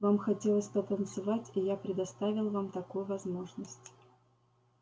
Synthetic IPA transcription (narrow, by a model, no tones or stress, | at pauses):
vamxɐtʲelˠəsʲpət̪ənt̪sɨvatʲijapɾʲɪd̪ɐst̪avʲɪlˠvamt̪ɐkujʊvɐzmo̞ʐnəsʲtʲ